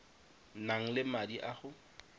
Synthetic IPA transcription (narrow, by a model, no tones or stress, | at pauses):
naŋ̩lɪmadiʔaχʊ